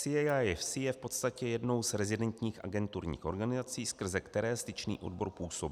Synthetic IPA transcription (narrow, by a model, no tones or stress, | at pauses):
sɪɛjajɛfsɪjɛfpo̞t̪st̪acɛjɛdno̞wzɾɛzɪdɛnt̪ɲiːxʔa̰ɡɛnt̪uɾɲḭːxʔo̞ɾɡanɪzat͡siːskr̩zɛkt̪ɛɾɛːst̪ɪt͡ʃnḭːʔo̞̰dbo̞ɾpuːso̞b